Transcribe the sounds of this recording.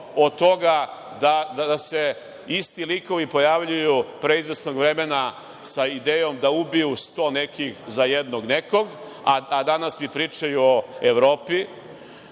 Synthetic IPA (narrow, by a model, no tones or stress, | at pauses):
ot̪o̞ɡa | d̪ad̪ad̪ase̞ | ist̪iliko̞ʋipo̞jaʋʎujupɾe̞izʋesnoɡʋɾe̞mena | said̪eːjo̞md̪aubijust̪o̞ːnekixzajed̪noɡneko̞ɡ | aad̪anasmipɾiːt͡ʃajuoeʋɾo̞ːpi